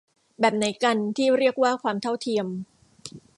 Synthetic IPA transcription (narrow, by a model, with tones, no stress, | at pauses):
bɛː˨˩p̚na˩˦jka˧nt̪ʰiː˥˩ɾi˥˩ək̚waː˥˩kʰwaː˧mt̪ʰa˥˩wt̪ʰi˧əm